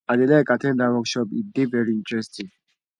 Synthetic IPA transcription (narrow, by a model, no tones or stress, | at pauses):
ãnelɛkatɛ̃ndawɔkʃɔpḭdevɛɹiĩntɹɛstĩŋ